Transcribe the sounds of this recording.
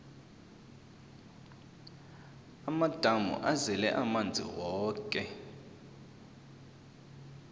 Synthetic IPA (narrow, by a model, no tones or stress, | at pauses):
amad̥ʱamṵʔazɛlɛ̰ʔamand͡zʱḭwɔːkʼɛ